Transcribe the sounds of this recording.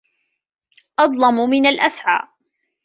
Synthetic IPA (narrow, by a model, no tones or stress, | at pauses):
ʔɑd̪ˤlɑmʊmɪnalʔaθʕa̰ːʔ